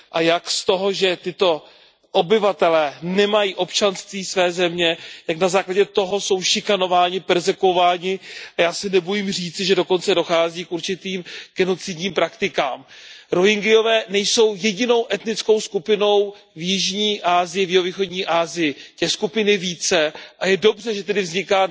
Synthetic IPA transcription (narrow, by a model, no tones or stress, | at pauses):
ʔajakst̪o̞ɦo̞ʒɛt̪ɪt̪o̞ | ʔo̞bɪvat̪ɛlɛːnɛmajiːʔo̞pt͡ʃanst̪viːsvɛːzɛmɲɛjaknazaːklaɟɛt̪o̞ɦo̞so̞wʃɪkano̞vaːɲɪpɛɾzɛkuovaːɲɪʔajaːsɪnɛbojimr̝iːt͡sɪʒɛdo̞ko̞nt͡sɛdo̞xaːziːkʔuɾt͡ʃɪt̪iːmɡ̥ɛno̞t͡sɪdɲiːmpɾakt̪ɪkaːmɾo̞ɦɪŋɡɪjo̞vɛːnɛjso̞wjɛɟɪno̞wʔɛt̪nɪt͡sko̞wskupɪno̞w | vjɪʒɲiːʔaːzɪjɪvjɪɦoviːxo̞dɲiːʔaːzɪjɪt̪ɛːskupɪnɪviːt͡sɛʔajɛdo̞brɛʒɛt̪ɛdɪvzɲɪkaː